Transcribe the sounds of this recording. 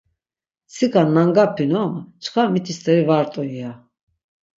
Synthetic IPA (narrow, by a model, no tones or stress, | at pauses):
sikʰʼanːaŋɡapʰinɔmt͡ʃʰkʰamit̪ʰist̪ʰʼɛɾivaɾt̪ʼɔia